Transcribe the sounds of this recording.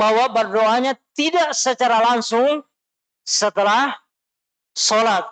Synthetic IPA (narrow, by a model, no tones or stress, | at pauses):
baɦwabərdoaɲat̪idaʔsət͡ʃaɾalaŋsʊŋ | sət̪əlah | solat̪̚